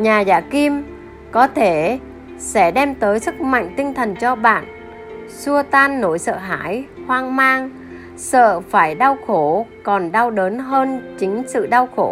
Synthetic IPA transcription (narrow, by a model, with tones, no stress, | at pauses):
ɲaː˨˩zaː˧˩ki˧m | kɔ˨˦t̪ʰe˧˩ | sɛ̰˧˥ɗɛ˧mt̪əː˨˦jsɨ˦˥k̚ma̰˧˨jŋ̟t̪ï˧ŋt̪ʰə˨˩nt͡ɕɔ˧ɓa̰ː˧˨n | su˧ət̪aː˧nːo˧˩jsə̰ː˧˨ɦa̰ː˧˥jhwaː˧ŋmaː˧ŋ | sə̰ː˧˨faː˧˩jɗa˧wxo˧˩kɔ˨˩nɗa˧wɗəː˨˦nɦəː˧nt͡ɕï˨˦ŋ̟sɨ̰˧˨ɗa˧wxo˧˩